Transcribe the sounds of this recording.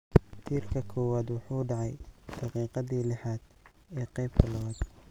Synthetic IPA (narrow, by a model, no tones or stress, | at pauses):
t̪ʰiːrkʰɐkʰɔːwaːd̪wɑħuːɖɑʕɑjd̪̥ɑqiːqɑðiːlɛħaːd̪̥ | ɛːqɛjb̚kʰɐlɐwaːd̪